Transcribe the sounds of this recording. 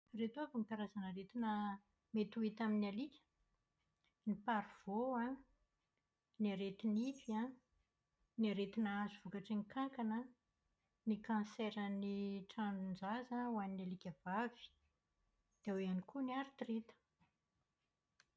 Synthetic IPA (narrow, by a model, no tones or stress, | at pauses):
ret̪ovinit̪aɾazanəɾet̪inə | met̪uit̪aminalikʲə̥ | nipaɾuv̥oa | niaɾet̪inifia | niaɾet̪inaazuv̥ukaʈ͡ʂinikaŋkanə | nikãseɾəniʈ͡ʂanund͡zazawaninalikʲəvavi̥ | d̪̥eaweanikuniaɾit̪rit̪ə̥